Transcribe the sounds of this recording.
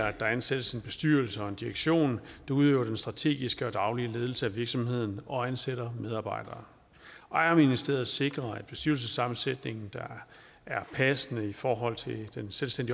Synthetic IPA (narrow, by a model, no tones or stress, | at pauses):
æd̥ɑ̈ænsed̥əse̝nb̥e̝sd̥yɐlsəɒ̽e̝nd̥iʁeɡ̥ɕo̝̰ːnd̥uð̞ˠøːʊɐd̥ensd̥ʁɑ̈t͡sʰe̝̰ːɡ̥isɡ̥əɒ̽d̥ɑ̈ʊliəle̝ːð̞ˠl̩səæʋiɐɡ̥sɒ̽mhe̝ð̞̰ˠn̩ɒ̽ænseɾ̥ɐmeð̞ˠɑ̈ːb̥ɑ̈ɪ̰d̥ɐː | ʔɒɐminisd̥e̝̰ːɐð̩ˠse̝ɡ̥ʁɐæd̥̚b̥e̝sd̥yɐ̰ls̬əsɑ̈mn̩sed̥ne̝ŋn̩d̥ɑ̈ | æɐpʰæsənəifɒːɦɒ̽l̰t͡sʰe̝ld̥enselsd̥en̰di